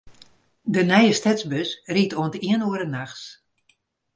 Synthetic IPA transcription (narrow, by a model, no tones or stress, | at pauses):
dənɛjəstɛtzbøsritoəntiənoəɾənaxs